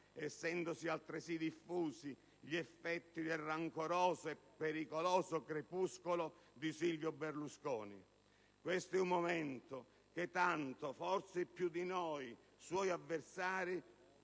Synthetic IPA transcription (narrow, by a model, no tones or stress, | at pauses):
ɛsːɛnd̪osialt̪ɾɪsid̪ifːuːsi | ʎiɛfːɛt̪ːid̪elrːaŋkoɾɔːzoɛpːeɾikolɔːsokɾepuskolod̪isilvjoberluskɔːnḭ | kwest̪oɛumːomɛnt̪o | k̟et̪ːant̪ofɔrsepːjud̪inɔj | swɔjavːersaːɾi